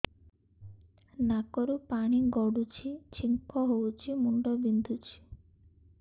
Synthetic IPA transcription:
nakɔɾupaɽ̃iɡɔɽut͡ʃʰit͡ɕʰiŋkɔɦowt͡ʃʰimuɳɖɔbind̪ʱut͡ʃʰi̥

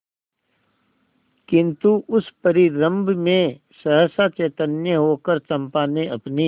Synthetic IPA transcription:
kɪ̃nt̪uʔʊspəɾiɾə̃mbʱmẽ | səɦəsat͡ʃeːt̪ənjəɦoːkəɾt͡ʃɐ̃mpaːneɐpni

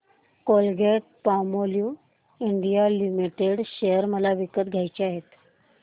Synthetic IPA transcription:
kolɡeʈ̚pamolju | iɳɖijalimiʈeɽɕejəɾməlaʋikət̪̚ɡʱjajt͡ɕeaɦet̪

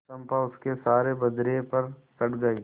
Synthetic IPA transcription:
ɐmpaʊskesaːɾebɐd̪ɾepɐɾsɐʈɡɐi

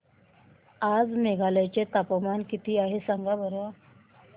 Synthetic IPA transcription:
ad͡zmeɡʱalajt͡ɕet̪apəmankit̪iːaɦesaŋɡabəɾʋa

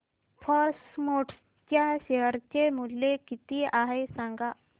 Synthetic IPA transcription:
fʰɔɾsmoʈ | t͡ɕjaɕeɦəɾt͡ɕemulːekit̪iaɦesãŋɡa

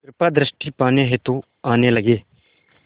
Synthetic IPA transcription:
kɾɪpaːd̪ɾɪsʈiːpaːnẽɦet̪õː | aːneːləɡeː

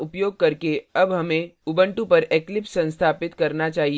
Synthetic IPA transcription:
ʊpjoːɡ̚kɐɾkeɐbɦɐmẽʊbə̃ɳʈũpɐɾeklɪpsɐ̃nst̪ʰaːpɪt̪kɐɾnat͡ʃaːɦi

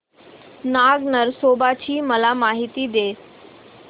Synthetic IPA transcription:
naɡnəɾsobat͡ɕiːməlamaɦit̪iːd̪e

